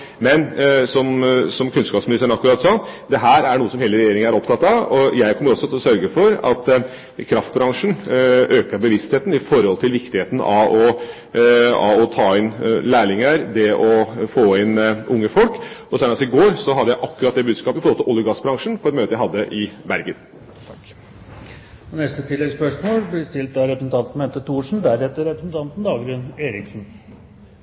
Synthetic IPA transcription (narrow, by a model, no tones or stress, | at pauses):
mɛnsɔmsɔmkʰʉnskɑːpsmɪnɪst̪əɳɑkːɾɑːt̪sɑːd̪ɛɦæːɾæɳuːəsɔmheːləɾɛjeːɾɪŋənæɾɔpt̪ʰɑt̪ːɑʋɔjæɪkʰɔmːəɾɔsːɔt̪ʰɪlɔsœɾɡəfɔɾɑ̰t̪ | kʰɾɑft̪̚bɾɑŋʂn̩ʔøːkəɾbəʋɪst̪heːt̪n̩ɪfɔɾhɔlt̪ʰɪlʋɪkt̪ɪheːt̪n̩ɑ̰ɔ | ɑ̰ɔt̪ʰɑːɪnlæːɭɪŋəɾd̪ɛʔɔfoːɪnʊŋːəfɔlkɔsæːnɑsɪɡoːɾsɔɦɑd̪ːəjæɪʔɑkːʉɾɑt̪d̪ɛbʉːd̪skɑːpɪfɔɾhɔlt̪ɪlɔljʊɡɑsbɾɑŋʂn̩pʰɔɾɛt̪møːt̪əjæɪhɑd̪ːəʔɪbæɾɡən | t̪ʰ | ɔnɛst̪ət̪ʰɪlːɛɡspœʂmoːlblɪst̪ɪlt̪æɾɛpɾsn̩t̪ʰɑnt̪n̩het̪əʈ̪ʰuːʂn̩bæɾɛt̪ːəɾɛpɾəsn̩t̪ʰɑnt̪n̩d̪ɑːɡɾʉneːɾɪksn̩